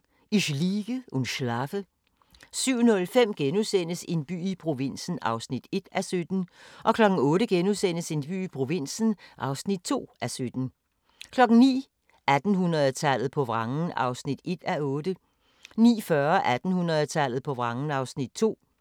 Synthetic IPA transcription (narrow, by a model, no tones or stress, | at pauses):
iɕliːɡ̥əunɕlɑfə | syʊ̰nɔ̽lfem̰ɡ̥enusen̰əse̝nb̥y̰ːipʰʁo̝ʋe̝n̰sn̩ɑ̈ʊsnid̥e̝d̥æsød̥n̩ʔɒ̽kʰlɒ̽ɡ̥n̩ɔ̽ːɾəɡ̥enusen̰əse̝nb̥y̰ːipʰʁo̝ʋe̝n̰sn̩ʔɑ̈ʊsnid̥̚t͡sʰo̝̰ːæsød̥n̩ | kʰlɒ̽ɡ̥ŋ̩nḭː | ʔæd̥n̩ɦunɐðˠt͡sʰæl̰ð̩ˠpʰɒ̽ʋʁɑ̈ŋn̩ɑ̈ʊsnid̥e̝d̥æɔ̽ːd̥ə | nḭːfɶɐʔæd̥n̩hunʁɐð̩ˠt͡sʰæl̰ð̞̩ˠpʰɒ̽ʋʁɑ̈ŋn̩ɑ̈ʊsnid̥̚t͡sʰo̝̰ː